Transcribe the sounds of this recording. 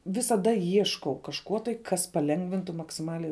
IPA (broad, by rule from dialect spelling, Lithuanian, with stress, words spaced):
ʋʲɪsɐˈdɐ ˈiɛʃkɐʊ kɐʃˈkoː tɐɪ ˈkɐs pɐˈlʲɛŋɡʋʲɪntʊ mɐksʲɪˈmɑːlʲɛɪ